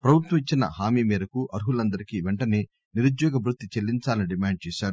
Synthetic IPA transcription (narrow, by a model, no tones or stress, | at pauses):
pɾɐbʱut̪wɐmit͡ʃːinɐ̰ɦaːmiːmiːɾɐkuʔɐɾɦulɐnd̪ɐɾikiʋɛɳʈɐniː | niɾud͡ʒ̪jɔːɡɐbɾut̪ːit͡ʃelːiɲt͡ʃaːlɐniɖimaːɳɖ̚t͡ʃɛːʃaːɾu